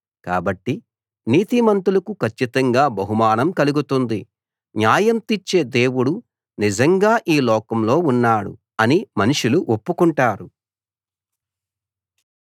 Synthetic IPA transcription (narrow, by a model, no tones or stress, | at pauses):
kaːbɐʈːi | niːt̪imɐnt̪ulɐkukʰɐt͡ʃːit̪ɐŋɡaːbɐɦumaːnɐmkɐluɡut̪und̪i | njaːjɐmt̪it͡ʃːe̞ːd̪e̞ːwuɽu | nid͡ʒɐŋɡaːʔiːlɔːkɐmlo̞ːunːaːɽṵ | ɐnimɐniʂuluʔopːukuɳʈaːɾu